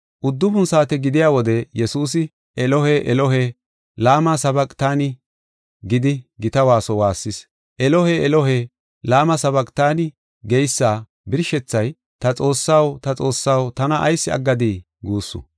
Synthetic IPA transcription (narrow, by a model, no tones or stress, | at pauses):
ʔʊd̪ːʊbʊnsaːt̪ɛɡɪd̪ɪjaːwɔd̪ɛjɛsuːs̬ɪ | ʔɛlɔɦɛʔɛlɔɦɛ | laːmasɐbɐkʼt̪aːnɪ | ɡɪd̪ɪɡɪt̪ɐwaːsɔwaːsːɪs | ʔɛlɔhɛʔɛlɔɦe | laːmɐsɐbɐkʼt̪aːnɪ | ɡɛjsːaː | bɪɾʃɛt͡sːɐj | t̪ɐt͡sʼo̞ːsːɐwt̪ɐt͡sʼo̞ːsːawt̪ɐnɐʔɐ̰jsːɪɐ̰ɡːɐd̪iː | ɡuːsːʊ̰